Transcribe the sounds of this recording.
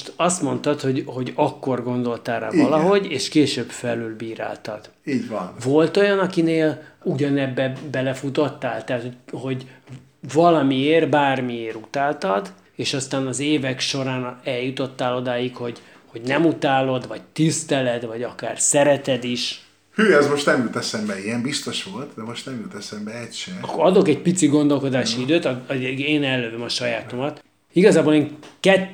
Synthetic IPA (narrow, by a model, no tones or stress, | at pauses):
oʃt̪ɒst̪mo̞nt̪ɒt̪ho̞ɟho̞ɟɒkːo̞rɡo̞nd̪o̞lt̪aːra̰ːvɒlɒɦo̞ɟeːʃkeːʃøːbfɛlylbiːɾa̰ːlt̪ɒd̪̥ | ivo̞lt̪o̞jɒnɒkineːluɟɒnɛbːɛbɛlɛfut̪o̞t̪ːaːlt̪ɛɦːt̪hoho̞ɟ | vɒlɒmieːrbaːrmieːɾut̪aːlt̪ɒd̪ | eːʃɒst̪aːnɒzeːvɛkʃo̞ɾaːnɛljut̪o̞t̪ːaːlo̞d̪aːjikho̞ɟ | ho̞ɟnɛmut̪aːlo̞d̪vɒɟt̪ist̪ɛlɛd̪vɒɟɒka̰ːrsɛɾɛt̪ɛd̪iʃ | hyːɛzmo̞ʃt̪nɛmylt̪ɛsɛmbɛijɛmbist̪o̞ʃʋo̞lt̪d̪ɛmo̞ʃt̪nɛmylt̪ɛsɛmbɛɛcʃɛkɒd̪o̞kɛɟ̚pit̪siɡo̞nd̪o̞lko̞d̪aːʃiid̪øːt̪eːnɛlːøvømɒʃɒjaːt̪o̞mɒt̪ | iɡɒzaːboleːŋkɛt̪ː